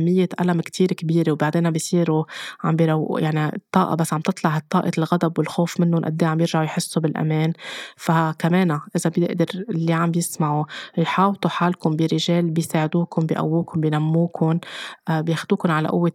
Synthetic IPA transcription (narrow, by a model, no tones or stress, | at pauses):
mːɪjːeʔalamkt̪ʰiːɾkbiːɾewbaʕd̪eːnabijsˤiːɾuʕa̰mbiɾawːʔjaʕnit̪ˤːɑːʔɑ̰basːʕambt̪ɨt̪ˤlɑʕht̪ˤːɑːʔɑlɣad̪abwɪlxoːfmɪnːʊnʔa̰d̪ːeːʕambjɪɾʒaʕujħɪsːubɪlʔa̰meːnfakameːnaʔɪzabjɪʔd̪ɪɾɪlːiʕambjɪsmaʕujħɑːwt̪ˤuħaːlkʊmbiɾɪʒeːlbɪjsaːʕɪd̪uːkʊnbiʔa̰wːuːkʊnbjnamːuːkʰʊnʔbjeːxd̪uːkʊnʕala̰ʔʊ̰wːe